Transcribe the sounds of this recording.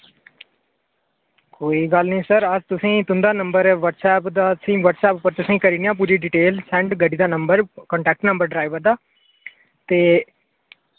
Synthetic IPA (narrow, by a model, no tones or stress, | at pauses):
koːiːɡəlnĩːsəɾəd͡ʒt̪ʊsĩːt̪ʊnd̪aːnəmbəɾɛːʋəʈsɛːpd̪aːsĩːʋəʈsɛːpʊpːəɾt̪ʊsĩːkəɾiːniːãːp̬uːɾiːɖiːʈeːlsɛ̃ːɳɖɡəɖiːd̪aːnəmbəɾkɔːɳʈɛːk̚ʈnəmbəɾɖɾaːiʋəɾd̪aː | t̪eː